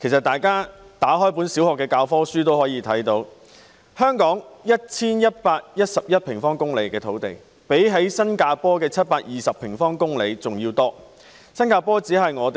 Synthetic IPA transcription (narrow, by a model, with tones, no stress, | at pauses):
kʰe˨˩sɐ˨t̪aː˨˩jkaː˥t̪aː˨˥ɦɔː˥jp̬u˨˥nsiː˨˥whɔː˨˩kːɛː˧kaː˧wfɔː˥syː˥t̪o˥whɔː˨˥jiː˧t̪ʰɐ˨˥jt̪o˧w | hœː˥ŋkɔː˨˥ŋjɐ˥t̚t͡sʰiː˥njɐ˥t̚paː˧k̚jɐ˥t̚sɐ˨p̚jɐ˥t̚pʰɪ˨˩ŋfɔː˥ŋkʊ˥ŋle˨jkɛː˧t̪ʰo˨˧wt̪ḛ˨˩j | pe˨˥jɦe˨˥jsɐ˥nkaː˧pɔː˥kɛː˧t͡sʰɐ˥t̚paː˧k̚jiː˨sɐ˨pʰɪ˨˩ŋfɔː˥ŋkʊ˥ŋle˨˧jt͡sʊ˨ŋjiː˧wt̪ɔː˥ | sɐ˥nkaː˧pɔː˥t͡siː˨˥ɦɐ˨jŋɔː˨˧t̪